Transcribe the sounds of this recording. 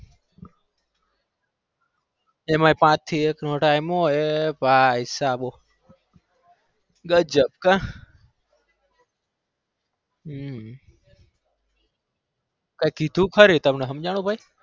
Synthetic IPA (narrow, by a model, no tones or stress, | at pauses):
emaːipãt͡ʃt̪ʰːieknoʈaimoepaisaɓoː | ɡəd͡ʒəb̚kã | kaikit̪ũkʰəɾet̪əmneɦəmd͡ʒaɽ̃ũbʱai